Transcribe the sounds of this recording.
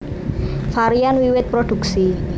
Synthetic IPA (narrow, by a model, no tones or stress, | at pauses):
faɾianwiwɪt̪̚pɾoɖ̥ṳksi